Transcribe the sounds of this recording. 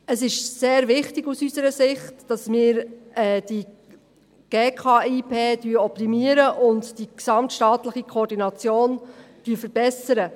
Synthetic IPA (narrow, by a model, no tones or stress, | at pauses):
əsɪʃseːɾvɪχtɪɡusysəɾəsɪχtd̥ɑsmɪːɾɛːd̥i | ɡ̥eːkʰɑːiːpʰeːd̥yːəɔp̚timiəɾəʔʊndd̥iksɑmtʃtɑːtləχikʰɔːɾdinɑt͡sjoːnd̥yəfəɾb̥ɛsəɾə